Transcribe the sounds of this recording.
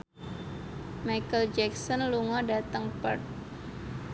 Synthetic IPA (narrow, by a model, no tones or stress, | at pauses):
majkəld͡ʒɛk̚sɔnluŋɔdat̪əŋpərt̪̚